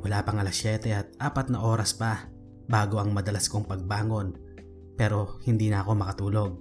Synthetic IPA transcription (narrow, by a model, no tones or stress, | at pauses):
wɐlaːpɐŋɐlɐsjɛt̪ɛɐt̪̚ʔaːpɐt̪̚nɐʔo̞ːɾɐspɐ | baːɡo̞ɐŋmɐd̪ɐlasko̞ŋpɐɡ̚baːŋo̞n | pɛːɾo̞hɪnd̪iːnɐɐko̞mɐkɐt̪uːlo̞ɡ̚